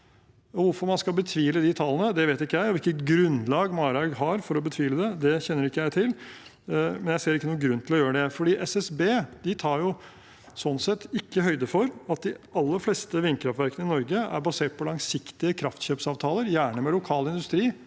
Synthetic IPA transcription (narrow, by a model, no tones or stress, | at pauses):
ɔʋʊɾfɔɾmɑnskɑlbət̪ʰʋiːləd̪ɪt̪ʰɑlːənəd̪ɛʋeːt̪ɪkːəjæɪɔʋɪlkːət̪ɡɾʉnlɑːɡmɑːɾɑɡɦɑɾfɔɾɔbət̪ʰʋiːləd̪ɛd̪ɛçɛnːəɾɪkːəjæɪt̪ʰɪl | mɛnjæɪseːɾɪkːənuːəɡɾʉnːt̪ʰɪlɔjøːɾəd̪ɛfɔɖiːʔɛsɛsbeːd̪̥ɪt̪ʰɑːɾjʊ | sɔnːsɛt̪ːɪkːəɦœʏd̪əfɔɾɑt̪̚d̪ɪɑlːəɾflɛst̪əʋɪnkʰɾɑft̪ʋæɾkənəɪnɔɾɡəæ̰ɾbɑseːʈ̚pʰɔlɑŋsɪkt̪ɪəkʰɾɑft̪çøːpsɑːʋt̪ʰɑːləɾjæːɳəmɛlʊkʰɑːlɪnd̪ʉst̪ɾiː